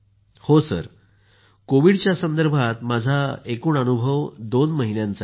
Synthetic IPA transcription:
hosə̰ɾ | koʋiɽt͡ɕjasənd̪əɾbʱat̪mad͡zʱaekuːnanubʱəʋd̪onməɦinjãnt͡sa

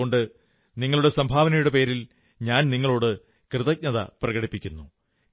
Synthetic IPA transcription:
oɳɖɨ | niŋːɐɭuɽe̞sɐmbʱaːʋɐnɐjuɽe̞pe̞ːɾil | ɲaːnniŋːɐɭo̞ːɽɨ | krɨðɐk̚ɲɐðɐ̰prɐɣɐɽipːikʲːunːu

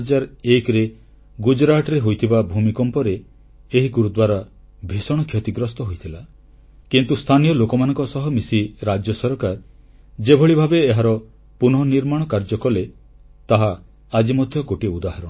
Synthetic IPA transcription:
d͡ʒaɾekɾe | ɡud͡ʒɾaʈɔɾeɦojt̪ʰibabʱumikɔmpɔɾeː | ɦiɡuɾud̪waɾa | bʱisɔɽ̃ɔkʰjɔt̪iɡɾɔst̪ɔɦojt̪ʰila | kint̪ust̪ʰanijɔlokɔmanɔ̃ŋkɔsɔɦɔmisiɾad͡ʒjɔsɔɾkaɾ | d͡ʒebʱɔɭibʱabeːɦaɾɔ | punɔɦɔniɾmaɽ̃ɔkaɾd͡ʒɔkɔle | t̪aɦaː | d͡ʒimɔd̪ʱjɔɡoʈiud̪aɦaɾɔ̃

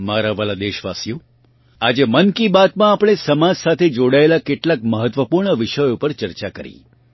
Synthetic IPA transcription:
maɾaʋəlad̪eʃʋasjo | ad͡ʒemənkibat̪mãːpɽ̃esəmad͡ʒsat̪ʰed͡ʒoɽaelakeʈlak̚məɦət̪ʋəpuɾɳəʋɪʃəjopəɾt͡ʃəɾt͡ʃakəɾḭ

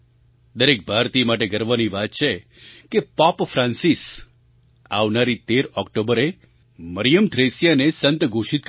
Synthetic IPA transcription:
d̪əɾek̚bʱaɾt̪imaʈeɡəɾʋaniʋat̪̚t͡ʃʰe | kepapfɾãnsis | a̰ʋnaɾit̪eɾɔkʈobəɾe | məɾijəmt̪ʰɾesjanesənt̪ɡʱoʃit̪̚k

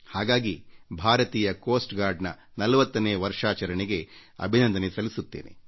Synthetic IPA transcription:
haːɡaːɡibʱaːɾɐt̪iːjɐkoːsʈɡaːɾɖnɐ | nɐlɐʋɐt̪ːɐneːʋɐɾʂaːt͡ʃɐɾɐɳeɡe̞ɐ̰bʱinɐnd̪ɐnesɐlisut̪ːeːne̞̰

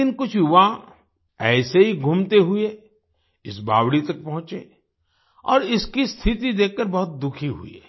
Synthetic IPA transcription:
ɪnkʊt͡ʃʰjʊʋã | ɛːseɦiɡʱumt̪eɦʊe | ɪsba̰ːwɽit̪ɐk̚pɐɦʊ̃t͡ʃḛ | ɔ̰ːɾɪskist̪ʰɪt̪id̪eːkːɐɾbɐɦʊt̪̚d̪ʊkʰiɦʊ̰ḛ

